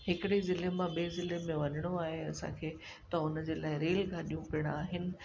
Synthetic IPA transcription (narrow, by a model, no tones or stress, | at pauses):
ɦɪkɪɽezɪlemãɓiezɪlemẽʋɐɲəɽ̃oaːɦeɐsã̰kʰeː | t̪ɐʊnə̆d͡ʑeːlaːɪɾeːlɡʱaːɗijũpɪəɽ̃aːɦɪnɪ̆